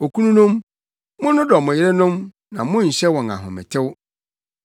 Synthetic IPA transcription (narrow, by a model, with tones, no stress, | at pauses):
o˨kʰu˦nũ˦nʊ̃˦m | mʊ̃˦nʊ̃˦dɔ˨mʊ̃˨jɪ˦ɾɛ˦nʊ̃˦m | nã˨mʊ̃˦˨ɲ̩˨ɕɛ˦wɔ̃˨ŋa̰˨ɦʊ̰̃˨mɪ̰̃˨tʰɪ˦w